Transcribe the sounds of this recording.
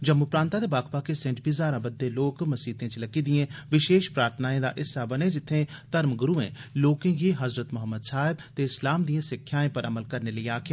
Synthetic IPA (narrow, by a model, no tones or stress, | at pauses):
d͡ʒəmːupɾãːnt̪ãːd̪eːbaːkʰpaːkesɛ̃ɳʈbizaːɾãːbəd̪ːeːloːkməsiːt̪ẽːt͡ʃləkiːd̪ijẽːʋɪʃeːʃpɾaːɾt̪ʰənaːẽːd̪a̰ːʔɪsːaːbəneːd͡ʒɪt̪ʰːẽːt̪əɾmɡʊɾuːḛ̃ːloːkɪ̃ːɡiːɦəzɾət̪mʊɦəmːəd̪saːɪbt̪eːɪslaːmd̪ijãːsɪkʰːjaːẽːpəɾəməlkəɾneːləiːaːkʰjaː